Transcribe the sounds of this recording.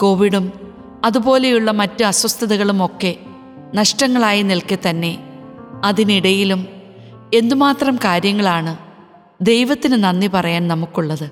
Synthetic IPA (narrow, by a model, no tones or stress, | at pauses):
ko̞ːʋiɽum | ɐðubo̞ːle̞juɭːɐmɐtːɨɐswɐst̪ʰɐðuɣɐɭumo̞kːe̞ | nɐʂʈɐŋːɐɭaːjinilket̪ɐnːe̞ɐðiniɽɐjilum | e̞nd̪umaːt̪rɐmkaːɾjɐŋːɐɭaːɳɨ | d̪e̞jʋɐt̪ːinɨnɐnːipɐrɐjaːnnɐmukːuɭːɐðɨ